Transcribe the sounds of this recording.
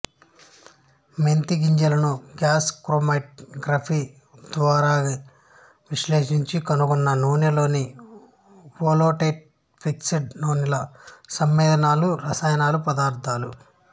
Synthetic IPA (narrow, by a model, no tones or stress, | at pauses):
ment̪iɡiɲd͡ʒɐlɐnuɡaːskɾoːmaʈ̚ɡɾɐpʰi | d̪ʋaːɾaːi | ʋiʃleːʂiɲt͡ʃikɐnuɡɔnːɐnuːnilo̞ːni | ʋoːloːʈeːʈ̚ | pʰiksiɖnoːnilɐsɐmːʋɛːd̪ɐnaːluɾɐsaːjɐnaːlupɐd̪aːɾt̪ʰaːlu